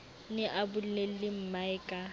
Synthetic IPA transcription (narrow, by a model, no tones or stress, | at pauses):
nɪʔabʊllelɪm̩maɪkʼa